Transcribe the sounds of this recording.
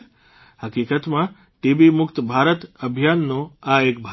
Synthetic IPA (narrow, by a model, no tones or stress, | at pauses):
həkiːkət̪mã | ʈiːbimʊkt̪bʱaːɾət̪əbʱjaːnːõaeːk̚bʱ